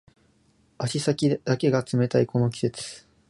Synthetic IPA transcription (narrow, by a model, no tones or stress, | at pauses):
aɕisakʲid̪̥ake̞ɡat͡sɨme̞t̪aiko̞no̞kʲi̥se̞t͡sɨ̥